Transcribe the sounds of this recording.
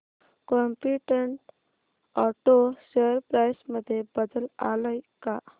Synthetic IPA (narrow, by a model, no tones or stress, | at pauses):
kɔmpiʈəɳʈ | ɔʈosəəɾpɾajsməd̪ʱːjebəd̪əla̰ləjka